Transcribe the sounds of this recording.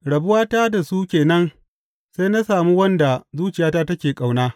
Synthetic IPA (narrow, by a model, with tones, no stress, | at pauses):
ɽɐ˨bʊ˦waː˦taː˦da˨su˦kʲeː˨nɐ˦n | sa˦jna˦saː˨mu˦wɐ˦nda˨zuː˦t͡ʃɪ˨jaː˦taː˦tɐ˦kʲeː˨kʼa˨wnaː˦